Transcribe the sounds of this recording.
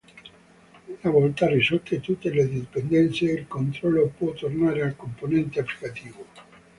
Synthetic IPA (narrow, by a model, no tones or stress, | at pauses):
unaβoont̪arisot̪et̪ut̪eleðeðepend̪enθjeelkont̪ɾolopwot̪oɾnaɾalkomponẽnt̪eaplikat̪iβo